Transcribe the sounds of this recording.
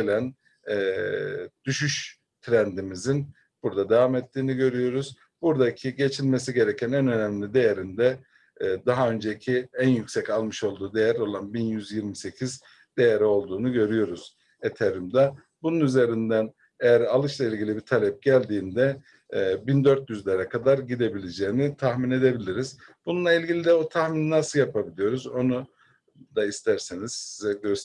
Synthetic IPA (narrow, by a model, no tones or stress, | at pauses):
elʲænː | d̪̥yʃyʃ | t̪ʰɾænd̪imizin | b̥uɾd̪ad̪evamɛt̪ʰːiːniɟø̞ɾyjo̞ɾuz | buɾd̪acʰiɟe̞t͡ʃʰilʲme̞s̬iɟe̞ɾecʰænænø̞næmlʲid̪e̞jeɾind̪ɛ | d̪aɦaø̞nd͡ʒecʰiænjycʲsɛcalˠmɯʃo̞lˠd̪uːd̪e̞jæɾo̞lˠanbinjyzjiɾmise̞cʰiz | d̪̥e̞jeɾio̞lˠd̪uːnuɟøɾyjo̞ɾuz̥ | et̪ʰeɾimd̪ɛ | bununyze̞ɾind̪æn | ejæɾalˠɯʃlˠailʲɟilʲibit̪ʰalʲɛp̚ɟælʲd̪iːnd̪ɛ | bind̪ø̞ɾt̪jyzlʲeɾɛkʰad̪aɾɟid̪e̞bilʲed͡ʒeːinit̪ʰaxmine̞d̪e̞bilʲiɾiz̥ | bununlˠailʲɟilʲid̪ɛot̪ʰaxmininasɯlˠjapʰabilʲijo̞ɾuzo̞nu | d̪aist̪ʰæɾsiniz̥sizɛɟøɾ